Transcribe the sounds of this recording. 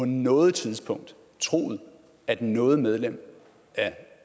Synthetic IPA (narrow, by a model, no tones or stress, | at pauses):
ɒ̽nɔ̽ːð̩ˠt͡sʰið̞ˠsb̥ʰɔ̽ŋ̰d̥ | t͡sʰʁo̝̰ːð̩ˠ | æd̥nɔ̽ːð̞̩ˠmeð̞ˠlem̰ | æɐ